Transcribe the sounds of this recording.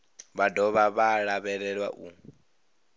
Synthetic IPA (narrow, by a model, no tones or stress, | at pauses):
βadɔβaβaɺaβɛɺɛɺwa̰ʔu